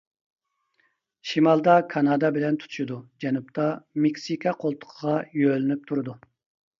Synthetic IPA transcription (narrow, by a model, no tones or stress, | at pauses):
ʃimɑlˠd̪ɑkʰɑnɑd̪ɑbɪlɛnt̪ʰu̥t̪ʰu̥ʃud̪ud͡ʒɛnup̚t̪ʰɑmekʲsikʰɑqʰolˠt̪ʰʊ̥qʰəʁɑjølɪnyp̚t̪ʰuɾɨd̪u